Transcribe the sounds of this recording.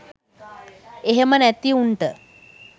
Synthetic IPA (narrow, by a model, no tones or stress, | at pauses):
eɦemənæt̪iuɳʈə